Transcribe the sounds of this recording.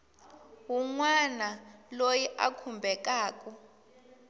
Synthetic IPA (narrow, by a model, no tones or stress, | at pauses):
wuŋwanalojiʔa̰kʰumbʱɛk̬ʼaːk̬ʼu